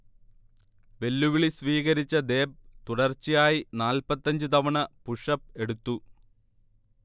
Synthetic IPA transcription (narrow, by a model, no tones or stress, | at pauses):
ʋe̞lːuʋiɭisʋiːɣɐɾit͡ɕːɐd̪e̞ːb̚t̪uɽɐrt͡ɕːijaːjinaːlpɐt̪ːɐɲd͡ʑɨt̪ɐʋɐɳɐpuʂɐp̚e̞ɽut̪ːu